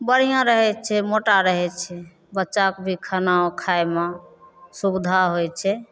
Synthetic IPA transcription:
bəɽ̤ijãɾəɦɛt͡ʃʰɛmoʈaɾəɦɛt͡ʃʰɛ | bətːʃakbʱikʰanaokʰajmãsubd̪ʱaɦojt͡ʃʰɛ

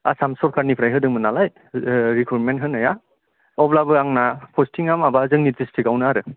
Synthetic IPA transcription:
a̰samsɔɾkʰaɾnipʰɾajɦɯdɯŋmɯnalaj | ɾikʰuɾmentɦɯnɯja | ɔblabɯaŋnapʰɔstiŋamabazɯŋnizistiɡawnɯaɾɯ

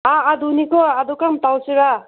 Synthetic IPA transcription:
aːd̪unikɔad̪ukamtawsiɾa

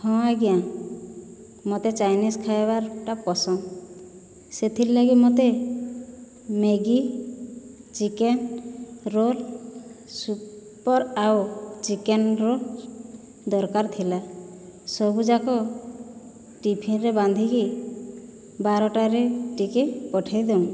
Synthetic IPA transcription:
hʰɔ̃aɡja | mɔt̪et͡ʃajniskʰajbaɾʈapɔsɔn | set̪ʰillaɡimɔt̪e | meɡi | t͡ʃikenɾol | supɔɾawt͡ʃikenɾol | d̪ɔɾkaɾt̪ʰila | sɔbud͡ʒakɔ | ʈipʰinɾeband̪ʱiki | baɾɔʈaɾeʈikepɔʈʰejd̪em

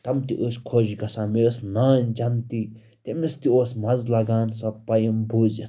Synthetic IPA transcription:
t̪ɐmt̪iʔosʲkʰoːd͡ʒiɡɐsãːmeːsnaːnʲd͡ʒɐnt̪i | t̪emist̪ioːsmɐzlɐɡaːnsɐpɐjimboːzi

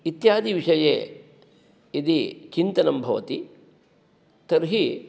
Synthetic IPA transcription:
it̪jaːd̪ʱiʋiʂɐjḛː | id̪it͡ʃint̪ɐnɐmbʱɐʋɐt̪i | t̪ɐɾɦi

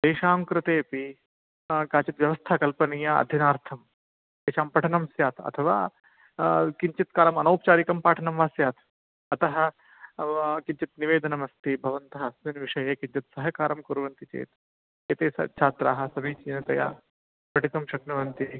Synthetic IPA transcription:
d̪̥eːʃaːmkɾɨt̪eːpi | kaːt͡ʃɐt̪ʋjɐʋɐst̪ʰaːkɐlpɐniːjaɐ̰d̪ʱjɐnaːɾt̪ʰɐm | eːʃaːmpɐʈʰɐnɐmsjaːt̪ɐ̰t̪ʰɐʋa̰ː | kiɲt͡ʃit̪kaːɾɐmɐnɐːpt͡ʃaːɾikɐmpaːʈʰɐnɐmʋaːsjaːt̪ | ɐt̪ɐɦɐ̆ | kiɲt͡ʃɐt̪niʋeːd̪ɐnɐmɐst̪ibʱɐʋɐnt̪ɐɦɐsminʋiʂɐjɐkiɲt͡ʃɐt̪sɐɦɐkaːɾɐmkuɾʋɐnt̪it͡ʃḛːt̪ | et̪eːsɐ̰t͡ʃʰaːt̪ɾa̰ːɦɐ̆sɐbiːt͡ʃinɐt̪ɐja̰ː | pɾɐʈit̪ɐmʃɐknɐʋɐnt̪i

